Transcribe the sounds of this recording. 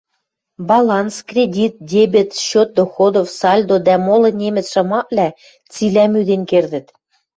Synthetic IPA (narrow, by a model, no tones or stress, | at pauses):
bɑlˠɑnskrʲedʲit̪̚d̪ʲebʲet̪ɕot̪̚d̪oxod̪ofsɑlʲd̪od̪æmolˠɤ̆nʲemɘ̆t͡sʃɤ̆mɑʔlʲæ | t͡silæmyd̪enkerd̪ɘ̆t̪